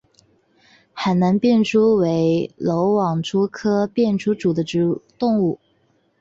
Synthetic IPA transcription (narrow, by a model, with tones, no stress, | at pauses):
xa˨˧˩ɪna˧˥ŋpjɛ˥˩nʈ͡ʂʰu˥we˧˥ɪlo˧˥ʊwɑ˨˩ŋʈ͡ʂʰu˥kʰɤ˥pjɛ˥˩nʈ͡ʂʰu˥ʈ͡ʂu˨˩d̪ə˦ʈ͡ʂ̩˧˨˥t̪ʊ˥˧ŋu˥˩